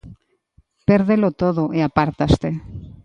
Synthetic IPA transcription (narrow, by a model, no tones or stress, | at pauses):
peɾðelot̪oðoʔeapaɾt̪ast̪e